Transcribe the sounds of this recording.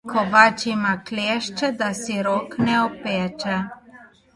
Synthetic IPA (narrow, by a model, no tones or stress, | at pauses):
kʰɔʋat͡ʃimakleːʃt͡ʃɛd̪asiɾɔːknɛɔpɛːt͡ʃɛ